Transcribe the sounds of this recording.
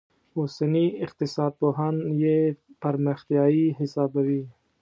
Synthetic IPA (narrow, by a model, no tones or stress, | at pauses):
ʊsaniɪq̚t̪ɪsɑːd̪̚poɦanjepaɾməxt̪ijɑːiɦɪsɑːbawi